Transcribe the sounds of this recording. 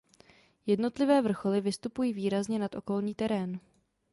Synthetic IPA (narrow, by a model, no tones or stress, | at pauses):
jɛdno̞t̪lɪvɛːvr̩xo̞lɪvɪst̪upujiːviːɾazɲɛnat̪ʔo̞ko̞lɲiːt̪ɛɾɛːn